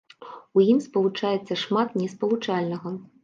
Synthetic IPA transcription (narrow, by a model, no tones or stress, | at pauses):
ujimspɐlˠut͡ʂajɛt̪sːɐʂmat̪nʲɛspɐlˠut͡ʂalʲnɐɣɐ